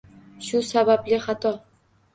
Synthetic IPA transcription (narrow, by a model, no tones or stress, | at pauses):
ʃusabablɪχat̪ʰɒ